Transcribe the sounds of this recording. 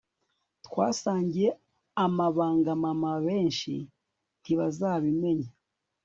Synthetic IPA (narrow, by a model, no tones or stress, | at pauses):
twaːsaːɲɟije̞ | amaβaːŋɡamamaβe̞ːnʃḭ | tiβazaːβime̞ɲa